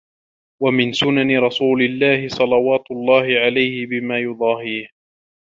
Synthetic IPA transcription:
wamɪnsʊnanɪɾˤɑsuːlɪlːaːhɪsˤɑlɑwaːt̪ʊlˤːɑːhɪʕalajhɪbɪmaːjʊd̪ˤɑːɦiːh

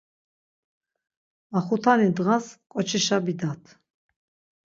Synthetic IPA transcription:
aχut̪ʰanid̪ʁaskʼɔt͡ʃʰiʃabid̪at̪ʰ

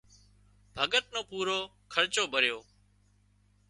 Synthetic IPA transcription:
bʱəɠət̪̚nõːpuːɾoː | kʰəɾt͡ʃoːbʱəɾjoː

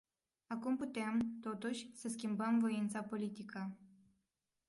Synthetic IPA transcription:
akumput̪emt̪o̞t̪uʃʲsəskʲimbəmvo̞int̪sapo̞lit̪ikə

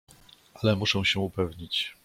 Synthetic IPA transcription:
ʔalɛmuʂɛ̃w̃ɕɛupɛvɲit͡ɕ

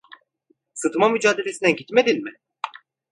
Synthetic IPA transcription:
sɯt̪ʰɯmamyd͡ʒaːd̪e̞lʲe̞sinæɟit̪me̞d̪inʲmɪ

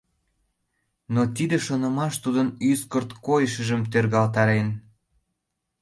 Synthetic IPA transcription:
not̪id̪eʃonə̆mɑʃt̪ud̪ənyskərt̪kojəʃə̆ʒəmt̪ørɣɑlt̪ɑɾen

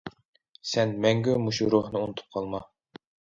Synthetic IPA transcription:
sɛnmɛŋɡʲymuʃuɾohnɨunɨt̪ʰu̥p̚qʰɑlˠmɑ

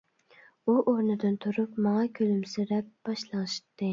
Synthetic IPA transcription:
uʔoɾnɨd̪ɨnt̪ʰuɾupmɑŋɑkʲʰølymsɪɾɛp̚b̥ɑʃlˠɑŋɨʃt̪ːɨ

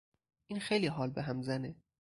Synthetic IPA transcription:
ʔiːnxejliːɦɒːlbeɦæmzæne

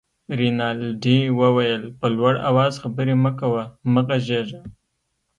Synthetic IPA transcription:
ɾinɑlɖiwəwajəlpəlwaɽa̰wɑzxabəɾeməkawaməɣaʒeʒa

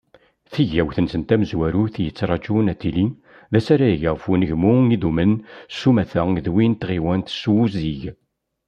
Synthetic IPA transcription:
θiʝæwθənsənt̪æməzwæɾuθjət͡sːɾˤɑt͡ʃunæt̪ːili | ðæsaɾæjəʝəʁfunəʝmuiðumənsumæθæðwint̪ʁiwænt̪swuziʝ

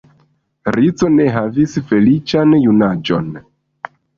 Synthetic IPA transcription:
ɾit͡so̞ne̞ɦavisfe̞lit͡ʃanjunad͡ʒo̞̰n

